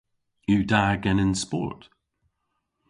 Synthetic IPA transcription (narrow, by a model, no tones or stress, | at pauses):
ʉːdaɡɛnɪnspɔ̰ɹt